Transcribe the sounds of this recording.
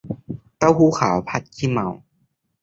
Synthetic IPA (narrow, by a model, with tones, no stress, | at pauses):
t̪a˦˧˥whuː˧˦xʰaː˩˦wpʰa˧˥t̪̚kʰiː˥˩ma˧˦w